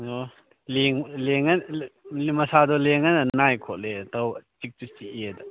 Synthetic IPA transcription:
o | leŋleŋɐn | mɐsadɔleŋɐnɐnajkʰɔtletawt͡ʃik̚tut͡ʃiiedɐ

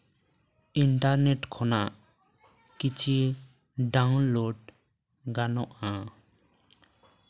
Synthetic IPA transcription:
iɳʈaɾneʈkʰɔnaʔ | kit͡ʃʰi | ɖawnloɖ | ɡanɔʔa

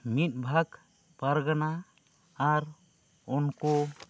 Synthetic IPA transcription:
mit̪̚ˀbʱaɡ | paɾɡanaː | ɾ | ɔnkɔ

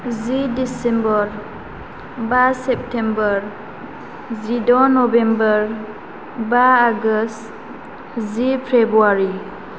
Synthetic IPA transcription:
zidisembɔɾ | basep̚tʰembɔɾ | zidɔnɔbembɔɹ | baaɡəst | zipʰebɾuaɾi

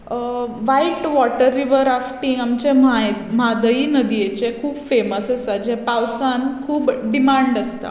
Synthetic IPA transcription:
ʋajiʈʋɔʈəɾːiʋəɾafʈiŋamt͡ɕemamad̪əiːnəd̪ijet͡ɕekʰuːbfeməsəsad͡ʑepaʋsãnkʰuːpɖimaɳɖəst̪a̰

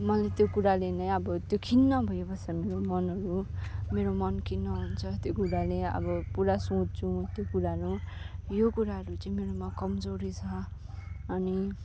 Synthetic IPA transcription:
mʌlet̪jokuɾalenʌjʌbʌt̪jokʰinːʌbʱʌjobʱʌsameɾomʌnʌɾumeɾomʌnkʰinːʌɦunt͡sʰʌt̪jokuɾaleʌ̰bʌpuɾasũt̚t͡sʰũt̪jokuɾaɦʌɾujokuɾaɦʌɾut͡sʌĩmeɾomakʌmd͡zoɾit͡sʰʌː | ni

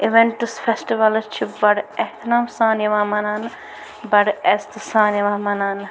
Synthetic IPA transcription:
iʋeɳʈɨsfʰesʈiʋɐlt͡ʃʰibɐɽɛht̪ʰɐnaːmsaːnjɐʋãːmɐnaːn | bɐɽɛst̪ɨsaːnjɐʋaːmɐnaːn

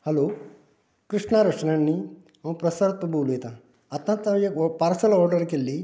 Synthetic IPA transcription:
hɐloː | kɾiʂɳaɾɐʂɐnɐnːi | ɐm̃pɾɐsɐɾt̪̚pɐbʱuːlujt̪ɐ | ɐt̪jɐnt̪ɐjepaːɾsɐlɔːɾɖɐɾkelːi

